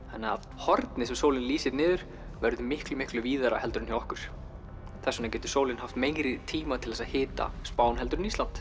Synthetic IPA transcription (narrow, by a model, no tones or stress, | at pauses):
anːɛað | hɔɾt̪nɪsɛmsoːwlɪnliːsɪt̪nɪːðʏɾ̥ | vɛɾðʏmɪhklʏmɪhklʏviːðaɾa̰hɛlt̪ɾʏnhiɔhkʏɾ̥ | θɛsːʏnacɛːt̪ʏ̥soːwlɪnhaft̪mejŋɾɪt̪ʰiːmat̪ʰɪlðɛsahɪːt̪a̰spaːwnɦɛlt̪ɾʏnist̪lant̪